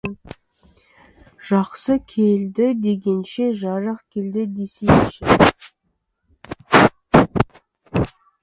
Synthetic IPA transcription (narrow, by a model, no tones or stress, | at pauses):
ʒ̥ɑqsəkʲʰeld̪ɪd̪e̞ɡʲe̞nʃe̞ʒɑɾɑqkʲʰe̞ld̪ɪd̪e̞semɪʃɪ